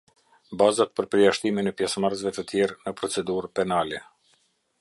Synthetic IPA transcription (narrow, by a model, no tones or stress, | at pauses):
bazat̪̚pəɾpəɾjaʃt̪iminɛpjɛsmaɾzvɛt̪ət̪jɛɾnəpɾɔt͡sɛd̪uɾpɛnalɛ